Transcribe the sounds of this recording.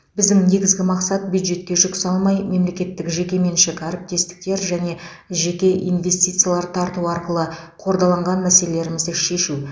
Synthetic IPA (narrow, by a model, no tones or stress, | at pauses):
bɪzd̪ɪŋne̞ɡʲɪzɡʲɪmɑqsɑt̪̚bjud̪ʒe̞t̪̚kʲe̞ʒʊksɑlˠmɑjme̞mle̞kʲe̞t̪ːɪkʒe̞kʲe̞me̞nʃɪkæɾɪp̚t̪e̞st̪ɪ̥k̚t̪e̞ɾʒæne̞ | ʒe̞kʲe̞ʔḭjnve̞st̪ijt̪sɨjalˠɑɾt̪ʰɑɾt̪uɑɾqəlˠə | qʰo̞ɾd̪ɑlˠɑɴʁɑnmæse̞lele̞ɾɪmɪzd̪ɪʃe̞ʃu